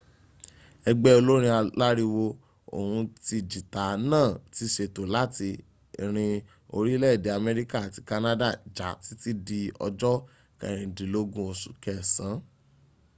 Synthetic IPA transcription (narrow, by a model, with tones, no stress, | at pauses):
ɛ˧ɡ͡bɛ˦o˧lo˦ɾ̃ĩ˧a˧la˦ɾi˧wo˧ | o̰˨hũ˧ti˧d͡ʒi˨ta˨nãː˦˨ti˧˦ʃe˧to˨la˦ti˧˨ | ɾ̃ĩ˧ | o˧ɾi˦lɛ˦˨de˨˦a˧mɛ˧ɾi˦ka˦˨a˨ti˨˧ka˧na˦da˦˨d͡ʒa˨˦ti˨˦ti˦di˧ɔ̰˧d͡ʒɔ˦ | kɛ̰̃˨ɾ̃ĩ˨˧di˨lo˦ɡũ˦o˧su̥˨˦kɛ˦˨sã˨˦